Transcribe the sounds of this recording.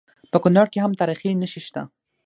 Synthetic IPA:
pəkʊnɑɽkeɦamt̪ɑɾixinəʃiʃt̪a̰

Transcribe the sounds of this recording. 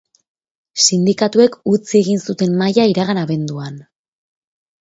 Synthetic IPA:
sind̪ikat̪ue̞kut͡sieɣinsut̪e̞mmajaiɾaɣanaβe̞nd̪uan

